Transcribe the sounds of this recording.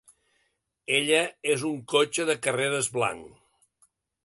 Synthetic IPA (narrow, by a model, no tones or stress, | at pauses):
eʎəezuŋkot͡ʃəðəkəreɾəzβla̰ŋ